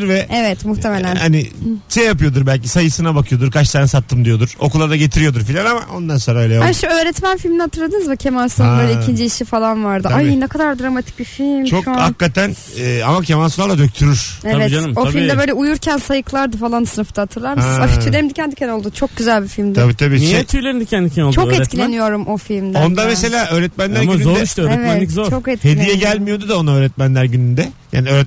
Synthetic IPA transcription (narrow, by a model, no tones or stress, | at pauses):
ɾvɛevɛt̪muxt̪ʰemelʲænhaniʃejːap̬ɯjo̞d̪uɾbælʲcisajɯsɯnabakʰɯjo̞d̪uɾkat͡ʃsaːnɛsat̪ʰːɯmd̪ijo̞d̪uɾ̥okulˠad̪aɟe̞t̪ʰiɾijo̞d̪uɾfilʲanama̰ʔo̞nd̪anso̞nɾaøjlʲejaʃøːɾɛt̪mænfilʲminihat̪ʰɯɾlˠad̪ɯnɯzmucʰe̞manslanbø̞ːlʲɛicʰind͡ʒiːʃifalˠanvaɾd̪ɯajnɛkʰad̪aɾd̪ɾamat̪ʰi̥c̚bifilʲmt͡ʃʰohakːat̪ænː | amacʰemansulˠad̪ad̪øc̚t̪ʰyɾyɾ̥evɛt̪anmoilʲmd̪ɛbø̞ːlʲɛujuɾcʰænsajɯklˠaɾd̪ɯfalˠansɯnɯft̪at̪ʰɯɾlˠaɾafyt̪yeimd̪icʰɛnd̪icʰɛno̞lˠd̪ut͡ʃʰo̞k̚ɟyzælʲbifilʲmd̪ʰabiːt̪ʰabiːniit̪ʰyjlʲeɾind̪icʰɛnd̪icʰɛnolˠt͡ʃʰokɛilʲenijo̞ɾumʔo̞filʲmd̪ond̪amese̞lʲaːʔøːɾɛt̪mænlʲæɾmyyzoɾdɛiʃt̪øːɾɛevɛɛnlʲikzoɾt͡ʃokɛt̪̚chedijɛɟælʲmijo̞d̪ud̪aonaøːɾɛt̪̚mænlʲæɾɟynynd̪ɛja̰ːniøɾɛ